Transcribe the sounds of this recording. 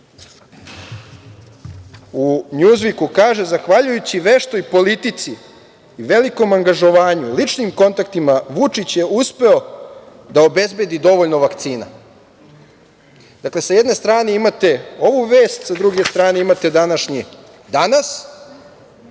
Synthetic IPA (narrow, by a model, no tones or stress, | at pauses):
uɲuːzʋikukaːʒe̞zaxʋaʎujut͡ɕiʋe̞ʃt̪o̞ipo̞lit̪it̪siː | ʋe̞liko̞maŋɡaʒo̞ʋaːɲulit͡ʂnimko̞nt̪akt̪imaʋut͡ʂit͡ɕje̞uspe̞o̞ | d̪aobe̞zbje̞d̪id̪o̞ʋo̞ʎno̞ʋakt̪siːna̰ | d̪akle̞sajed̪ne̞st̪ɾaːneimat̪e̞o̞ʋuʋe̞ːst̪sad̪ɾuɡe̞st̪ɾaːneimat̪e̞d̪anaʃɲi | d̪anas